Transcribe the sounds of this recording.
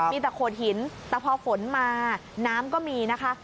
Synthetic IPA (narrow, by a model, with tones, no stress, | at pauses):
iː˧t̪ɛ˨˩kʰoː˨˩t̪̚hi˩˦nt̪ɛː˨˩pʰɔ˧fo˩˦nmaː˧naː˦˥mkɔː˥˩miː˧na˦˥kʰa˦˥